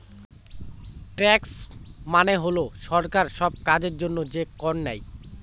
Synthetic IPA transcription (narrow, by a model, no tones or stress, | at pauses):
ʈɾɛksmaneɦoloʃɔɾkaɾʃɔb̚kad͡ʑeɾd͡ʑonːod͡ʑekɔnnɛj